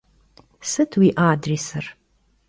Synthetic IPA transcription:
sɨtʰwiːʔaːdriːsɨr

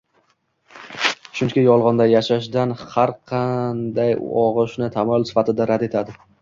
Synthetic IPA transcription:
ʃʊnkʲɪjɒlˠʁɒnd̪ajaʃaʃd̪anhaɾqʰɑnd̪ajɒʁɨʃnɪt̪ʰamɒlˠsɪ̥fat̪ɪd̪aɾad̪e̞t̪ʰad̪ɪ

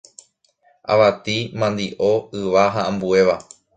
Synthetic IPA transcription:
ʔa̰ʋat̪imãnd̪iʔo̞ɨʋaɦaãmbue̞ʋa

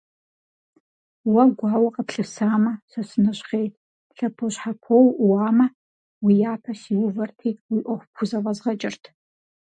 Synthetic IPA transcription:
wɐɡʷɑːwɐqəpɬɨsaːmɐsɐsɨnɐɕχejtʰ | ɬɐpʰoɕħapʰowwaːmɐ | wijaːpʰɐsiːwʊvɐrtʰiːwiːʔʷɔxʷpkʰʷʊzɐvɐzʁɐt͡ʃʼɐrtʰ

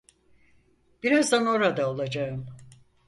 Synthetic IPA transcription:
b̥iɾazd̪ano̞ɾad̪aolˠad͡ʒaɯm

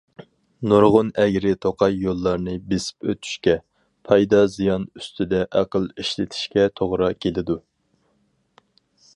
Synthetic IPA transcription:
noɾʁʊnɛɡʲɾɪt̪ʰoqʰɑjːolˠːɑɾnɨbesɪ̥pøt̪ʰy̥ʃkʲɛ | pʰɑjd̪ɑzijɑnyst̪ʰyd̪ɛʔæqəlˠiʃlɪt̪ʰi̥ʃkʲɛt̪ʰoʁɾɑkʲʰelɪd̪u

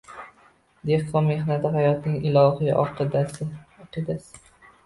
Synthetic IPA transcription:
d̪e̞hqʰɒme̞ɦnat̪ɪɦajɒt̪nɪŋɪlˠɒɦijʔɒ̰qɨd̪asɪɒqʰɨd̪asɪ̥

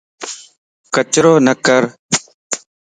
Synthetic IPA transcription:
kət͡ʃɾoːnəkəɾ

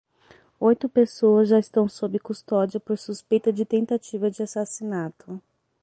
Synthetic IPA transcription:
ojt̪ʊpesoɐzʒaɪst̪ɐ̃w̃sobɪkust̪ɔd͡ʒiɐpoɾsuspejt̪ɐd͡ʒɪt̪ẽnt̪at͡ʃivɐd͡ʒɪasasinat̪ʊ

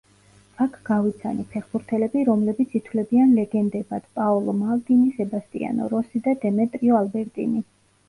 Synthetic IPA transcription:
akʰɡ̥avit̪sʰa̰nipʰɛχbuɾt̪ʰɛlɛbiɾɔmlɛbit̪sʰit̪ʰwlɛbianlɛɡɛnd̪ɛbad̪̥pʼaɔlˠɔmalˠt̪ʼinisɛbast̪ʼḭa̰nɔ̰ɾɔsid̪ad̪ɛmɛt̪ʼɾiɔalbɛɾt̪ʼḭni

